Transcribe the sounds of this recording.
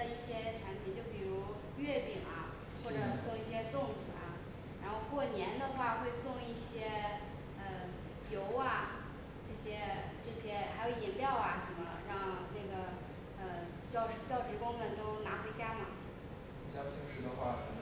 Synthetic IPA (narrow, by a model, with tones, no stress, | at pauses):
ə˧i˥˩ɕjɛ˥ʈ͡ʂʰa˧˥npʰi˧˥t͡ɕjo˥˩ʊpi˨˩ɻu˧˥ | ɥɛ˥˧pi˥˩ŋɐ̰˩ | xwɔ˥˩ʈ͡ʂɤ˨˩sʊ˥˧ŋi˥˩ɕjɛ˥t͡sʊ˥˩ŋt͡s̩˨˩ɐ̰˨˩ | ɻa˧˥nxo˥˧ʊkwɔ˥˩njɛ˧˥nd̪ə˧xwa˥˧xwe˥˧ɪsʊ˥˧ŋi˥˩ɕjɛ˥ | ə˧ | jo˧˥ʊɐ˧ | ʈ͡ʂɤ˥˩ɕjɛ˥ | ʈ͡ʂɤ˥˩ɕjɛ˥xa˧˥ɪjo˧˥ʊi˨˩ŋljɑ˥˩ʊɐ˩ʂə˧˥nmə˧ɻɑ˥˧ŋna˥˩ɡə˩ | ə˧ | t͡ɕjɑ˥˩ʊʂt͡ɕjɑ˥˩ʊʈ͡ʂɻ̩˧˥kʊ˥ŋmə˨nt̪o˥ʊna˧˥xwe˧˥ɪt͡ɕja˥mɐ˨˩˧ | t͡ɕjɑ˥˩t̪ʰi˧˥ŋʂɻ̩˥˩d̪ə˧xwa˥˩